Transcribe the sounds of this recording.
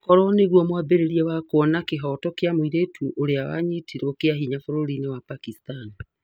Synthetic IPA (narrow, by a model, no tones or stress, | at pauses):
kɔɾɔneɣwɔmwabeɾeɾiɛwakwɔnakeɦɔtɔkeamoiɾetʰuʔoɾeawa̰ɲetʰiɾokeaɦiɲafoɾoɾinewapakistani